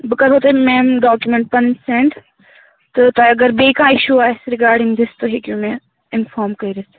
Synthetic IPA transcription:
bɨkɐɾoːt̪emẽːmɖaːkjumẽɳʈ̚pɐnsẽɳʈ | t̪ot̪oɐɡəɾbeːkãːɪʃuaːsɾɪɡaːɾɖɪ̃ŋɡd̪ɪst̪oɦeːkjũmẽ | ɪnfɔːɾmkɐiɾɐs

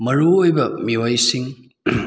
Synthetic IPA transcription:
mɐɾuojbɐmiwajsiŋ

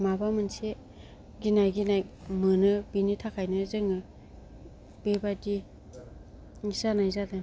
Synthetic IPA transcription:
mabamɯnse | ɡinajɡinajmɯnɯbinitʰakʰajnɯzɯŋɯ | b̥ebadi | ŋisanajzadɯ

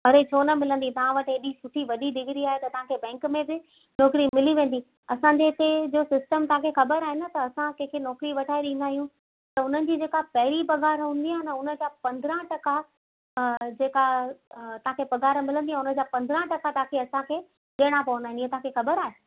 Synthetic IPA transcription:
ɐɾet͡ɕʰoːnɐmɪlə̃nd̪it̪ɐʋ̤ãʋɐʈeːɗisʊʈʰiʋɐɗiɗɪɡɪɾiaːɦet̪ɐt̪ɐʋ̤ãkʰebɛ̃ːŋkmẽbɪ | nɔːkɾimɪliʋẽːn̆d̪i | ɐsãːɲd͡ʑeɪt̪ed͡ʑoːsɪsʈəmt̪ɐʋ̤ãkʰexɐbəɾaːɦenɐt̪ɐːsãkɐ̃ɦkʰenɔːkɾiʋɐʈʰaːiɗɪ̃nd̪aːɦijũ | t̪ɐʊn̤ənɪ̆d͡ʑiːd͡ʑeːkapɐɦɪɾipɐɡaːɾɦũːn̆d̪iaːɦnəʊnə̆d͡ʑaːpɐ̃nd̪ɾə̃ʈɐka | d͡ʑeːkat̪ɐʋ̤ãkʰepɐɡaːɾmɪlə̃nd̪iãʊnə̆d͡ʑaːpɐ̃nd̪ɾə̃ʈɐkat̪ɐɦãkʰeɐsãkʰeː | ɗeɽ̃apɐʋə̃nd̪aːɪ̃niẽt̪ɐɦãkʰexɐbəɾaːɦeː

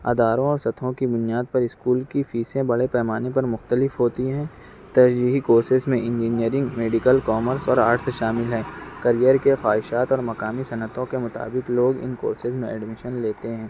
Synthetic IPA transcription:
ɐ̰d̪aːɾõɔːɾsɐt̪ʰõkibʊnijaːd̪̚pɐɾɪskuːlkifiːsẽbɐɽepɛːmaːnepɐɾmʊxt̪əlɪfɦoːt̪iɦɛ̃ː | t̪ɐʃd͡ʒiːɦikoːɾsɪzmẽɪ̃nd͡ʒiːniəɾɪ̃ŋɡmeːɖɪkəlkɔːməɾsɔːɾaːɾʈseʃaːmɪlɦɛ̃ːkɐɾijəɾkexaːɪʃaːt̪ɔːɾmɐkaːmisɐnət̪õkemʊt̪a̰ːbɪkloːɡɪ̰nko̰ːɾsɪzmẽɛ̰ɖmɪʃənleːt̪eɦɛ̃ː

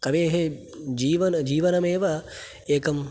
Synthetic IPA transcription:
kɐʋeːɦe | d͡ʒiːʋɐnd͡ʒiːʋɐnɐmẽːʋɐ | eːkɐm

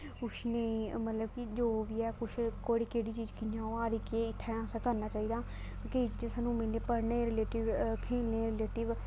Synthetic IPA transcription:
ʊʃʰneiːmət̪ləbkid͡ʒoːʋiːɛːkʊʃʰkoːɽiːkeːɽiːt͡ʃiːd͡ʒkɪãːoːaːɾiːkeːɪt̪ʰːɛ̃ːãːsaːkəɾnaːt͡ʃaːiːd̪aː | keːid͡ʒid͡ʒẽːsaːnːũːmɪleːpəɾnẽːɾɪleːʈɪʋkʰeːlnẽːɾɪleːʈɪʋ

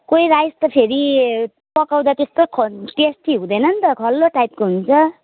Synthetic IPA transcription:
kojɾajst̪ʌpʰeɾi | pʌkaw̃d̪at̪est̪okʰʈesʈʰiɦũd̪ʌjnʌnt̪ʌkʰʌlːoʈajp̚koɦunt͡sʰʌ

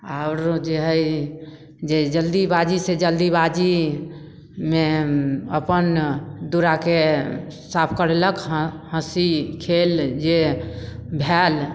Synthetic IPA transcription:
aʊɾd͡ʒeɦəi | d͡ʒed͡ʒəld̪ibad͡ʒised͡ʒəld̪ibad͡ʒi | meəpənd̪uɾakesapʰkəɾeləkɦhə̃sikʰeld͡ʒe | bʱɛl

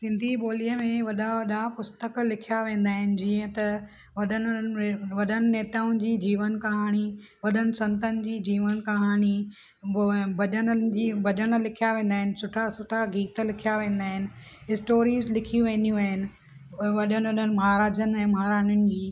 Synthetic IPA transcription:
sɪ̃nd̪ʱiɓoːliəmẽʋɐɗaʋɐɗapʊst̪əklɪkʰijaʋẽːn̆d̪aːɦɪnɪ̆d͡ʑiːə̃t̪ɐ | ʋɐɗənʋɐɗənɪ̆neːt̪aːʊnɪd͡ʑiːd͡ʑiːʋənkɐɦaːɽ̃i | ʋɐɗənɪ̆sɐ̃nt̪ənɪ̆d͡ʑiːd͡ʑiːʋənkɐɦaːñi | bɐɗənd͡ʑiːbɐɗən̆lɪkʰijaʋẽːn̆d̪aːɦɪnɪ̆sʊʈʰasʊʈʰaɡiːt̪lɪkʰijaʋẽːn̆d̪aːɦɪnɪ̆ | ɪsʈoːɾiːzlɪkʰijũʋẽːnd̪ijũaːɦɪnɪ̆ | ʋɐɗənɪʋɐɗənɪ̆mɐɦaɾaːd͡ʑənɛ̃ːmɐɦaɾaːnʊnɪ̆d͡ʑiː

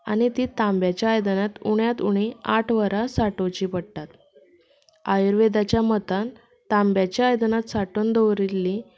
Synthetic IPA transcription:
a̰ɽ̃ñit̪iːt̪ãmbjat͡ɕjaːjəd̪ənat̪uɳjat̪uɽ̃iaʈʰʋəɾasaʈot͡ɕiːpəɽt̪at̪ | ajɾʋed̪at͡ɕjamət̪an | t̪ambjat͡ɕjaːjd̪ənat̪saʈoːnd̪əʋɾilːi

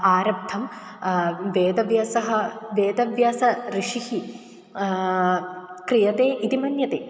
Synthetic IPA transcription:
aːɾɐb̚t̪ʰɐm | ʋeːd̪ɐʋjaːsɐɦɐʋeːd̪ɐʋjaːsɐɾiʂihi | kɾijɐt̪eːʔit̪imɐnjɐt̪eː

